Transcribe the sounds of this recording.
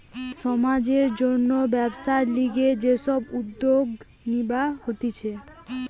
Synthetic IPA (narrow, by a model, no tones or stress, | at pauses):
ʃɔmad͡ʑeɾd͡ʑonːobɛbʃaeliɡed͡ʑeʃɔbud̪ːoɡ | nibahot̪it͡ɕʰe